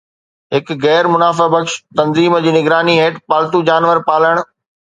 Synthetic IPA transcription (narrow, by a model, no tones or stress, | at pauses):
ɦɪkɣɛːɾmʊnaːfabɐkʃt̪ɐ̃nziːməd͡ʑiːnɪɡɾaːniɦeːʈpaːlt̪ud͡ʑaːnʋəɾpaːləɽ̃